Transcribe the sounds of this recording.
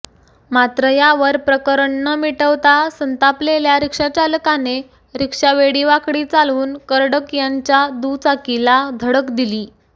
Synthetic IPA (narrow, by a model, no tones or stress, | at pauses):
mat̪ɾəjaʋəɾpɾəkəɾəɳːəmiʈəʋt̪asənt̪apleljaɾikʂat͡ɕaləkane | ɾikʂaʋeɽiʋakɽiːt͡saluːnkəɾɽəkjaɲt͡ɕjad̪ut͡sakilad̪ʱəɽəkd̪iliː